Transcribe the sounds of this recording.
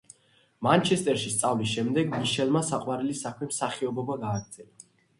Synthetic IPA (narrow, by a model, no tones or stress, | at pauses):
mant͡ʃʰɛst̪ʼɛɾʃist̪sʼavlisʃɛmd̪ɛɡmiʃɛlˠmasaqʼwaɾɛlisakʰmɛmsaχiɔbɔbaɡaːɡɾt̪z̥ʼɛla